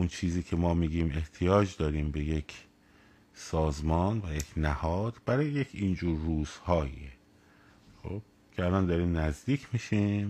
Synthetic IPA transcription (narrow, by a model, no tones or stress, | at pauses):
ʔunt͡ʃʰiːziːcʰemɒːmiːɟiːme̞ht̪ʰijɒːd͡ʒd̪ɒːɾiːmbe̞je̞cʰ | sɒːzmɒːnvæjecʰnæhɒːd̪̥bæɾɒːjejecʰiːnd͡ʒuːɾːuːz̥hɒːjḭe | xob̥ | cʰeælɒːnd̪ɒːɾiːmnæzd̪iːcʰmiʃimm